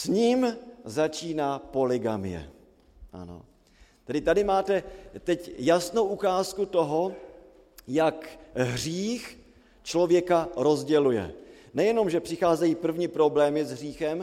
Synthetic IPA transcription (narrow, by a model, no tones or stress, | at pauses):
sɲiːmzat͡ʃiːnaːpo̞lɪɡamɪ̰jɛ̰ | ʔa̰no̰ | t̪ɛdɪt̪adɪmaːt̪ɛt̪ɛcjasno̞wʔukaːskut̪oɦo̞ | jakɦr̝iːx | t͡ʃlo̞vjɛkaɾo̞zɟɛlujɛ̰ | nɛjɛno̞mʒɛpr̝̥ɪxaːzɛjiːpr̩vɲipɾo̞blɛːmɪzɦr̝iːxɛm